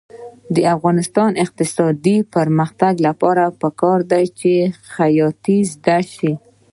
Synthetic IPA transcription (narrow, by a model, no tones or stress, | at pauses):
d̪əafɣɑnɪst̪ɑnɪq̚t̪ɪsɑd̪ipəɾməxt̪aɡlapɑɾapəkɑɾd̪ajt͡ʃexajɑt̪izd̪aʃi